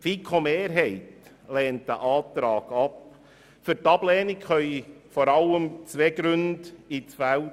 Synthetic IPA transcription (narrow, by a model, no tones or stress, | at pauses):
fikʰomeːɾɦɛɪt | leːntdəʔɑːtɾɑːɡ̥ɑp | fyɾtɑb̥lɛːnɪkχœʏifɔɾɑləmt͡sʋeɡ̥ɾʉndit͡sfæl